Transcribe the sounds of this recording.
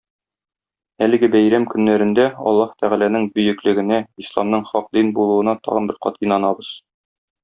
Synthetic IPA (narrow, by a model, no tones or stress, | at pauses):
ælɘ̆ɡɘbæjɾæmkɵ̆nːæɾɘ̆nd̪æɒ̰lˠːɑht̪æʁælænɘŋbɵ̆jɘ̆klɘ̆ɡɘ̆næislˠɑmnɤɴχɒq̚d̪inbulˠuɤ̆nɑt̪ɒ̰ʁɤ̰̆nbɘɾqɒ̰t̪inɑnɑbɤz̥